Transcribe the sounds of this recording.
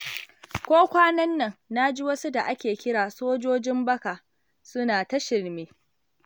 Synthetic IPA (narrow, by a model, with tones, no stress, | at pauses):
kʷoː˦kʷaː˦nɐ˦nːɐ˨ŋna˦d͡ʒi˦wɐ˦su˦da˨ʔa˦kʲeː˨kʲɪ˦ɽaː˨soː˦d͡ʒoː˦d͡ʒɪ˦mbɐ˦ka˨ | sʊ˦naː˨ta˦ʃɪ˨ɾmeː˦